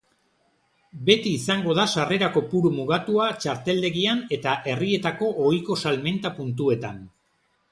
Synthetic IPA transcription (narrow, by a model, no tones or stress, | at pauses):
be̞t̪iːsaŋɡo̞ð̞asare̞ɾako̞puɾumuɣat̪uat͡ʃaɾt̪e̞ld̪e̞ɣiane̞t̪aʔe̞rie̞t̪ako̞ʔojko̞salme̞nt̪apunt̪ue̞t̪an